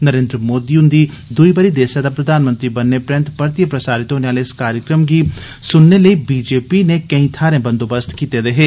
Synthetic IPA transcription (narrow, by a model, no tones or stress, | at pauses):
nɐɾẽːnd̪ɾəmoːd̪iʊ̃nd̪i | d̪ʊibəɾid̪eːsad̪apɾɐd̪ʱaːnmə̃nt̪ɾibɐnːepɾɛ̃nt̪pɐɾt̪ijəpɾɐsaːɾɪt̪ɦoːneaːleɪskaːɾjəkɾəmɡi | sʊnːeləibiːd͡ʒeːpinekɐĩt̪ʰaːɾẽbɐ̃nd̪oːbəst̪kiːt̪ed̪eɦeː